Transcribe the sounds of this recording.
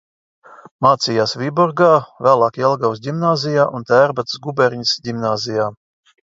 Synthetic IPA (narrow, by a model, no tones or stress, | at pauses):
maːt̪sijaːsvʲibɔɾɡaːvæːlˠaːkɛlˠɡawzdʲimnaːzʲijaːʔunt̪æːɾbat̪sɡubɛɾʲɲisdʲimnaːzijaː